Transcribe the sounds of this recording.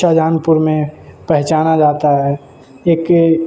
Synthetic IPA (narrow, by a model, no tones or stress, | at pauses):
ad͡ʒaːnpʊɾmẽpɛɦt͡ʃaːnad͡ʒaːt̪aɦɛ | eːk